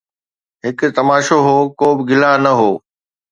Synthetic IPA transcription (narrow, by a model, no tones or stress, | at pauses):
ɦɪkt̪ɐmaːʃoɦoːkoːbɪɡɪlanɐɦoː